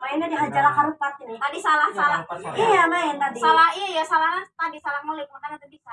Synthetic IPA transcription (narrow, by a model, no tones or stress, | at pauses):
maɛnadiɦad͡ʒalakaɾut̪̚at̪̚inɪt̪adisalahsalaijamaɛnt̪adisalahiajasalahat̪adisalahmalibunanat̪əbisa